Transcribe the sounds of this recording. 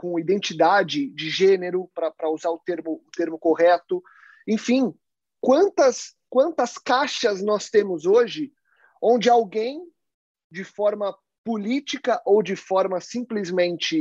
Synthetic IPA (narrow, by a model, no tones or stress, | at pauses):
kõid̪ẽnt͡ʃid̪ad͡ʒɪd͡ʒɪʒẽneɾʊpɾɐpɾɐuzaɾʊt̪eɾmʊʊt̪eɾmʊkoɦɛt̪ʊ | ẽfĩ | kwɐ̃nt̪ɐs | kwɐ̃nt̪ɐskaʃɐznɔst̪ẽmʊzoʒɪ | õnd͡ʒɪawɡẽj̃ | d͡ʒɪfɔɾmɐ | pulit͡ʃikɐʔowd͡ʒɪfɔɾmɐsĩplɪzmẽnt͡ʃɪ